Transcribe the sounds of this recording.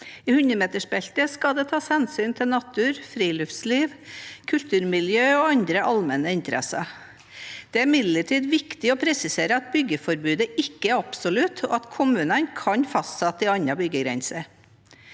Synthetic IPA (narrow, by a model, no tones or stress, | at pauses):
ɪhʉnəmeːt̪əʂbɛlt̪əskɑd̪ɛt̪ʰɑːshɛnsyːnt̪ʰɪlnɑt̪ʰʉːɾfɾiːlʉft̪sliːʋkʰʉlt̪ʰʉːɾmɪljøːoːɑnd̪ɾəʔɑlmɛnəɪnt̪əɾʔɛ̰sɑ̰ | d̪̥ɛæɾmɪd̪ləʈʰiːd̪ʋɪkt̪ɪɔpʰɾɛsɪseːɾəɑt̪̚bʏɡəfɔɾbʉːd̪əʔɪkːəæɾɑpsɔlʉt̪ʰɔ̰ɑt̪kʰʊmʉːnənkʰɑnfɑst̪sɛt̪ːɪɑɲɑbʏɡəɡɾɛ̰nsəɾ